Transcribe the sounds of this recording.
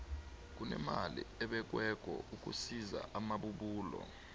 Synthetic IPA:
k̬unɛmalḭɛɓɛk̬wɛk̬ʼɔuk̬ʼusiza̰ʔamaɓuɓuːlɔ̰

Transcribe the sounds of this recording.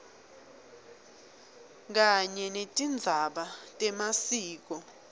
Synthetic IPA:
k̬aɲɛnetʼind͡zʱaɓatʼɛmasiːk̬ɔ

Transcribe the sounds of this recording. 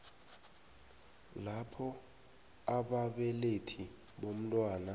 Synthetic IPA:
lapʰɔ | aɓaɓɛletʰiɓom̩tʼwaːna

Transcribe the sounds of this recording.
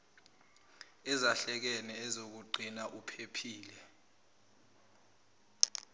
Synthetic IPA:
ɛzaɬɛk̬ɛnɛɛzok̬uǃʱinaʔupʰepʰiːlɛ

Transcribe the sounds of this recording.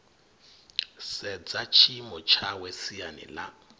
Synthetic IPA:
sɛd͡zat͡ʃʰimɔt͡ʃʰawesianɛ̰la

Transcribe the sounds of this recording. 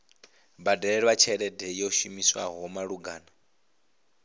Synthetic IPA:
badaɺɛɺɛβat͡ʃʰɛɺɛdɛjɔʃimiswa̰ɦɔmaɺuɡaːna

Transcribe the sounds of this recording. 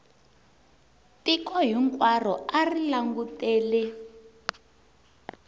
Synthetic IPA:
tikɔɦiŋkwar̤ɔarilaŋɡutɛːlɛ

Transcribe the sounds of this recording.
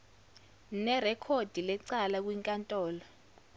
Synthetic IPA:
nɛrɛkʰod̥ʱilɛǀalak̬ʼwiŋkʼantʼɔːlɔ

